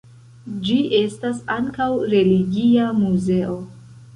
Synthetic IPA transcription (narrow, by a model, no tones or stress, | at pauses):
d͡ʒiʔe̞stasaŋkawɾe̞liɡiamuze̞ʔo̞